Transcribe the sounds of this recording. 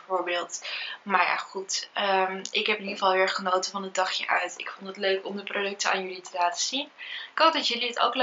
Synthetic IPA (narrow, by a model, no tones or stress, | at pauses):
oːɹbeːlˠtmaɹja̰χutəmɪkɦɛpɪniəfɑlˠɦɪɹχənowtəfɑnədɑχjə̰ʔœ̰ɥtɪ̰kfɔntətløɥkɔmdəprodɵk̚təa̰ːnjɵlitəlaːtəz̥inkok̚dɑtjɵliəto̰wkl